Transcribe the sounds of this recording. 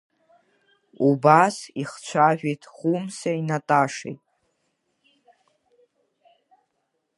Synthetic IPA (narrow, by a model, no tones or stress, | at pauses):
ubasiχt͡ʃʷʰaʒᶣejtʰχumsainatʼaʂḛjtʼ